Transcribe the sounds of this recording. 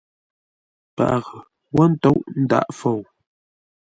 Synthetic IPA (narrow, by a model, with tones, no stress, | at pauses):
pa̰˨ʔɣə˨ | wɔ˦n̩˦to˦ʔn̩˦da̰˦˨ʔfo˨w